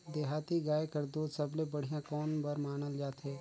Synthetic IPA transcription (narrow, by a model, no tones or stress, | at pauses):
d̪eːɦaːt̪iːɡaːekəɾd̪oːsəbleːbəɽ̤ɪjãːkɔːnbəɾmaːnəld͡ʒaːt̪ɦeː